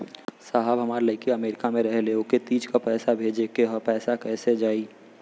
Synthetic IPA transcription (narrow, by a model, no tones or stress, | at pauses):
saɦəbɦəmaːɾləɪkeəmeːɾɪkamẽɾəɦleoket̪iːd͡ʒkapɛːsabʱeːd͡ʒekeɦpɛːsakɛːsed͡ʒaːi